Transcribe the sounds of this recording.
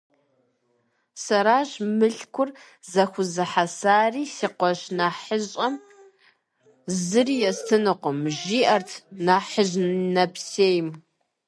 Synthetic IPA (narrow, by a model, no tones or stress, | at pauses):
sɐɾaːʒmɨɬkʷʰʊr | zɐxʷʊzɨħasaːriːsiːqʷɔʑnaːħəʑʼɐm | zɨriːjɛstʰɨnɨqʷʊmʒiːʔɐrtʰnaːħəʑnɐpseːjm